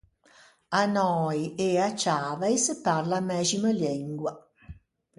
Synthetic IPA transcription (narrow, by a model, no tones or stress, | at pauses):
anɔːjeat͡ʃaːvajsparlamɛːziməliŋɡwa